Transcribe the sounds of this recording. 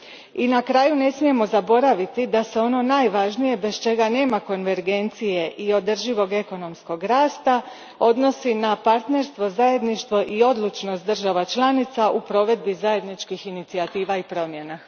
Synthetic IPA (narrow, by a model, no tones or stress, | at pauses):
inakɾaːjune̞smije̞mo̞zabo̞ɾaʋit̪id̪ase̞o̞no̞najʋaʒnije̞be̞st͡ʃe̞ɡane̞ːmako̞nʋe̞ɾɡe̞nt̪sije̞ʔio̞d̪r̩ʒiʋo̞ɡe̞ko̞no̞msko̞ɡɾaːst̪a | o̞d̪no̞sinapaɾt̪ne̞ɾst̪ʋo̞zaje̞d̪niʃt̪ʋo̞ʔio̞d̪lˠut͡ʃno̞st̪d̪r̩ʒaʋat͡ʃlˠanit̪saʔupɾo̞ʋe̞d̪̚bizaje̞d̪nit͡ʃkixinit̪siat̪iːʋaipɾo̞mje̞na